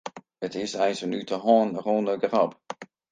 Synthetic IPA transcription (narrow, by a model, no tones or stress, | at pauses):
ətɪsɛjsənytʰəɦɔːnroːnəɡrɑp